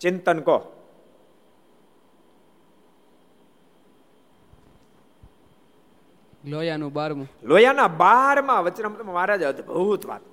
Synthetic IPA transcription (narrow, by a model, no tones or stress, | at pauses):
t͡ʃɪnt̪ənko | lojanũbaɾmũlojanãbaɦɾmãʋət͡ʃːnamut̪ɾmãmaːɾad͡ʒəd̪ʱbʱut̪ʋa̰t̪